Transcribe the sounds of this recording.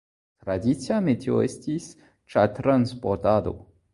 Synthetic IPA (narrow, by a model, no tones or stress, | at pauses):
t̪ɾad̪it̪t͡siamet̪eo̰est̪is | t͡ʃat̪ɾanspoɾt̪ad̪o̰